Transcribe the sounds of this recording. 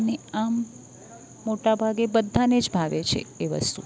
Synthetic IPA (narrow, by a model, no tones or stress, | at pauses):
neamː | oʈabʱaɡebəd̪ʱːaned͡ʒbʱaʋet͡ʃʰḛːʋə̰st̪ṵ